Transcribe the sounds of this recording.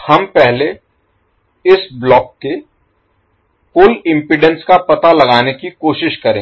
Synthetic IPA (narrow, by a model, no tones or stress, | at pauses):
hɐmpɛɦle | ɪsblɔːkːe | kʊlɪ̃mpɪɖə̃nskapɐt̪alɐɡaːnekikoːʃɪʃkɐɾẽː